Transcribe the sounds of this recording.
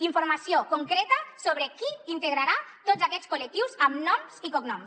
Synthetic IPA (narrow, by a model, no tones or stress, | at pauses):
iɱfuɾmasiokuŋkɾɛt̪əsoβɾekiint̪eɣɾaɾat̪ozakɛt͡skulək̚t̪iwzamnɔmzikoknɔms